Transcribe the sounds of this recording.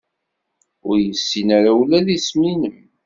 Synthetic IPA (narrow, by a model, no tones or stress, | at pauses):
ʊɾjəsːinaɾawlæðisminəm